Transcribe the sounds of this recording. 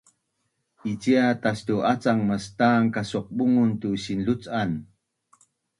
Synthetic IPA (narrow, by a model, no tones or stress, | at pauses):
it͡ɕiatastuʔat͡saŋməstaŋkasuq̚buŋuntuɕinɮut͡san